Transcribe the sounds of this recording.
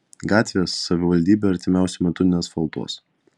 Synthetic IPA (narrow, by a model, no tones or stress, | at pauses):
ɡɑːt̪ʲʋʲeːsːɐʋʲɪʋɐlʲd̪ʲiːbʲeːɐɾʲt̪ʲɪmʲæˑʊsʲɛmʲɛt̪ʊnʲɪnʲeːsfɐlˠt̪o̰s